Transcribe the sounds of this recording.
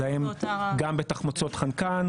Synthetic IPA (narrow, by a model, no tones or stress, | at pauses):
aemɡambet̪aχmot͡so̞t̪χankan